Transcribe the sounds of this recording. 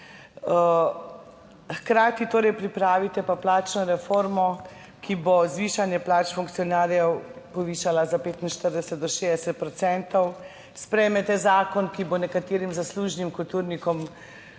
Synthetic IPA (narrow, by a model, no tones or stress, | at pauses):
xkɾaːt̪it̪oːɾɛjpɾipɾaːʋit̪ɛpaplaːt͡ʃnɔɾɛfoːɾmɔ | kʰibozʋiːʃanjɛplaːt͡ʃfuŋkt̪siɔnaːɾjɛwpɔʋiːʃalazapeːt̪inʃt̪əɾd̪ɛsɛt̪̚d̪ɔʃeːd̪ɛsɛt̪̚pɾɔt̪sɛnt̪ɔw | spɾɛjmɛt̪ɛzaːkɔnkibonɛkat̪eːɾimzasluːʒnimkult̪uɾnikɔm